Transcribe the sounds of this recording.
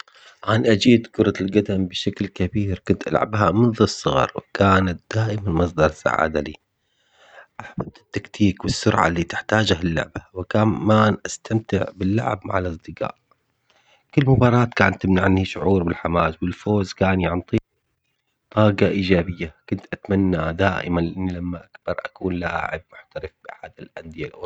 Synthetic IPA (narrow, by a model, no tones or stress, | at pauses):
ʕanʔad͡ʒiːd̪kʊɾˤɑlɡad̪ambɪʃaklkabiːɾkʊnt̪ʔa̰lʕabɦamɨnðɨsˤːɨɣɑ̰ɾˤwɪkaːnat̪̚d̪̥aːʔɪmanmɑs̬ˤd̪ˤɑɾˤɑsːa̰ʕa̰ːd̪alḭː | ʔaħbab̚t̪ɪ̥t̪ːakt̪ʰiːkwɪsːʊɾʕa̰liːt̪ɪ̥ħt̪aːd͡ʒahalːʊ̰ʕbawɪkaːmmaːnʔast̪ʰamt̪ɪ̰ʕbɪlːa̰ʕɪ̰bma̰ʕalʔɑsˤd̪ɨqa̰ːʔ | kɪlːmʊbɑːɾˤɑːt̪kaːnt̪ːɪmnaʕanːiʃʊʕuːɾbɪlħamaːswɪlfoːzkaːnjaʕnt̪ˤiː | t̪ˤɑːɡɑʔiːd͡ʒaːbɪjːakʊnt̪ʔat̪manːad̪aːʔɪ̰manlʔɪnːilamːaʔakb̥ɑɾˤʔakuːnla̰ʔa̰ʕɪ̰b̚mʊħt̪aɾɪfb̥ɪħaːd̪alʔand̪ɪjalʔʊ